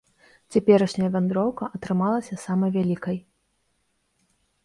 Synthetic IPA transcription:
t͡sʲapʲɛɾɐʂnʲɐjɐvʲand̪ɾɔwkɐʔɐt̪ɾɨmalˠɐsʲɐsamɐjvʲalʲikɐj

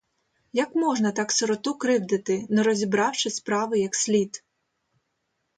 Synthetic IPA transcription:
jɐkmɔʒnɐt̪ɑksɔɾɔt̪ukɾɪwd̪ɪt̪ɪnɛɾɔzʲibɾɑwt͡ʃɪspɾɑʋɪjɐksʲlʲit̪

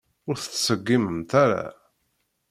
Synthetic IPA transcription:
ʊɾθət͡sːsəɡːiməmt̪aɾa̰

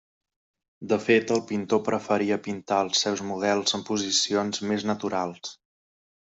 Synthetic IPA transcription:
d̪əfet̪əlˠpint̪opɾəfəɾiəpint̪aəlˠsːɛwzmuð̞ɛlˠzəmpuzisionzmeznət̪uɾalˠs

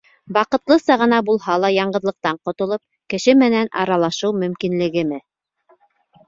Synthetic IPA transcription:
bɑqɤ̆t̪lˠɤsɑʁɤ̆nɑbulˠhɑlˠɑjɑɴɢɤ̆ðlˠɤ̆q̚t̪ɑɴqŏt̪ŏlˠop̚ | kɘ̆ʃɘmɘ̆nænɑ̰ɾɑlˠɑʃɤwmɵ̆mkinlɘ̆ɡɘ̆mɘ

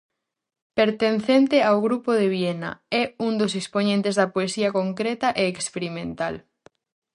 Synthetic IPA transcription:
peɾt̪enθent̪eawɣɾupoð̞eβjenɐ̰ɛund̪osesponẽnt̪ezðɐpoesiɐkoŋkɾet̪ɐʔeːkspeɾimẽnt̪al

